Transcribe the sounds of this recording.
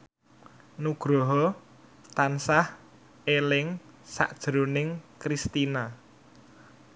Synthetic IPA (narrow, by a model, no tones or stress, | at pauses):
nuɡ̥ɾɔɦɔ | t̪ansah | elɪŋsa̰ʔd̥ʒ̥ɾonɪŋkɾist̪ina